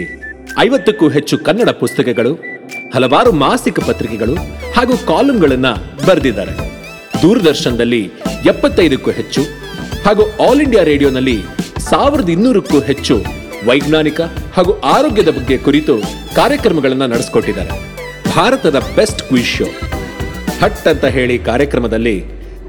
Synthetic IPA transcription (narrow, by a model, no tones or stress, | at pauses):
ɐjʋɐt̪ːukːuːɦe̞t͡ʃːukɐnːɐɽɐpust̪ɐkɛɡɐɭuhɐlɐʋaːɾumaːsikɐpɐt̪ɾikɛɡɐɭuhaːɡuːkaːlɐmɡɐɭɐnːɐbɐɾɐd̪id̪ːa̰ːɾḛ | d̪uːɾɐd̪ɐɾʃɐnɐd̪ɐlːiɛpːɐt̪ːɐjd̪ɐkːuɦet͡ʃːu | haːɡuːaːliɳɖijaːɾe̞ːɽijoːnɐlːisaːʋiɾɐd̪inːuːɾɐkːuːɦe̞t͡ʃːu | ʋɐjɡnaːnikɐhaːɡuʔaːɾoːɡjɐd̪ɐbɐɡːe̞kuɾit̪u | kaːɾjɐkɾɐmɐɡɐɭɐnːɐnɐɽisi̥ko̞ʈːid̪ːa̰ːɾḛ | bʱaːɾɐt̪ɐd̪ɐbe̞sʈkʋiːʃo̰ː | hɐʈːɐnt̪ɐɦe̞ːɭikaːɾjɐkɾɐmɐd̪ɐlːi